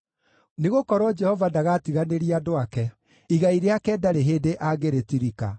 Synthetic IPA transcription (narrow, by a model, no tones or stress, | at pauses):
neɣokɔɾwɔd͡ʒɛhɔvadaɣatiɣaneɾiadoakɛ | iɣaiɾeakɛdaɾeɦeːdeʔaɡeɾetiɾika̰